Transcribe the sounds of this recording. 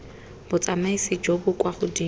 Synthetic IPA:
b̥ʊt͡sʼamaisɪd͡ʒobʊkʼwaχʊdi

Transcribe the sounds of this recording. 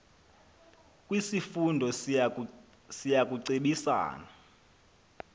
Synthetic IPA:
kʼwisifundʱɔ | sijak̬ʼuǀeɓisa̰ːna

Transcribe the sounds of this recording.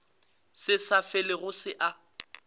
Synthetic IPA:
sɪsafɪlɪɣʊsɪʔa

